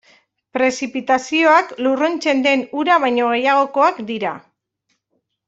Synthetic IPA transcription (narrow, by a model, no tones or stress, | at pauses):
pɾe̞sipit̪asio̞akluront͡se̞nd̪e̞nuɾaβ̞ajɲo̞ɣ̞e̞jaɣ̞o̞ko̞akd̪iɾa